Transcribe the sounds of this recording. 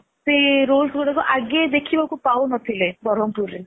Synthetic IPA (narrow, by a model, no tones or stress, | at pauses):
seɾolkɡɔɽakuʔaɡjed̪ekʰibakupawnɔt̪ʰilebɔɾɔmpuɾe